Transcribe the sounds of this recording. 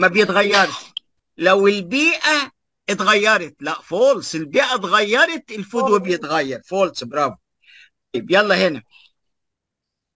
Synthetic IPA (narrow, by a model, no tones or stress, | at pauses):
mabjɪt̪ɣajːɑɾˤʃ | lawɪlbiːʔa | ɪt̪ɣajːɑɾˤɑt̪laʔfoːlsˤɪlbiːʔat̪ɣajːɑɾˤɑt̪ɪlfʊd̪wabjɪt̪ɣajːɑɾˤfoːlsˤbɾɑːvu | t̪ˤɑjːɪbjɑlˤːɑhɪna